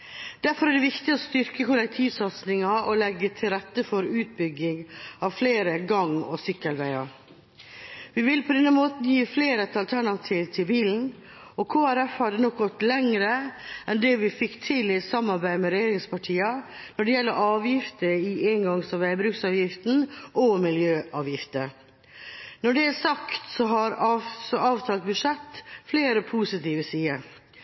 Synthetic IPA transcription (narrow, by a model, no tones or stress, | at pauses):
d̪̥æɾfɔɾæɖɛʋɪkt̪ɪɔst̪ʏɾkəkʊlɛk̚t̪ʰiːʋsɑt̪snɪŋɑʔɔlɛɡːət̪ʰɪlɾɛt̪ːəfɔɾʉːt̪̚bʏɡːɪŋɑʋfleːɾəɡɑŋɔsʏkːəlʋæɪɑɾ | ʋɪʋɪlpʰɔd̪ɛnːəmoːt̪n̩jiːfleːɾət̪ɑlt̪ʰæɳɑt̪ʰiːʋt̪ʰɪlbiːln̩ | ɔkʰoːæɾɛfhɑd̪ənɔk̚ɡɔt̪ːlɛŋɾəʔɛnd̪ɛʋɪfɪkt̪ʰɪlɪt̪sɑmːɑɾbæɪmɛɾɛjeːɾɪŋspɑʈʰiːɑ | nɔɖɛjɛlːəɾʔɑːʋjɪft̪əɪeːŋɡɑŋsɔʋæɪbɾʉːksɑːʋjɪft̪n̩ʔɔmɪljøːʔɑːʋjɪft̪əɾ | nɔɖɛæsɑkt̪sɔɦɑɾɑsɔʔɑːʋt̪ʰɑːlt̪̚bʉʂɛt̪ːfleːɾəpʰusɪt̪iːʋəsiːə